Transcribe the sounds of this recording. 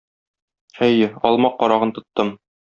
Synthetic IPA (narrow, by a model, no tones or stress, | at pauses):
æjɘɒlˠmɑqːɒɾɑʁɤnt̪ŏt̪ːɤm